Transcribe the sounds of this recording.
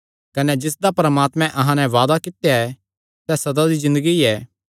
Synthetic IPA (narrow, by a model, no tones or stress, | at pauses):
kɐnɛd͡ʒɪs̬d̪apɾəmaːt̪mɛ̃ʔɐɦãnɛ̃ʋaːd̪akɪt̪jaɛ | sɛːsɐd̪ad̪izɪ̃nd̪əɡiɛː